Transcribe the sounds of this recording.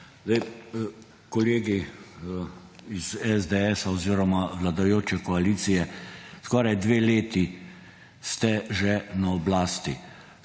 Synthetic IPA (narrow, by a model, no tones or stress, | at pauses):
zd̪aj | kɔleːɡi | izɛzd̪eɛsaɔziːɾɔmaʋlad̪ajoːt͡ʃɛkɔaliːt̪sijɛskɔːɾajd̪ʋeːleːt̪i | st̪ɛʒɛnaɔblaːst̪ḭ